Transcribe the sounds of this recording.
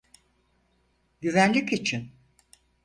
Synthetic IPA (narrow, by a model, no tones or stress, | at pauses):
ɟyvænlʲicit͡ʃʰin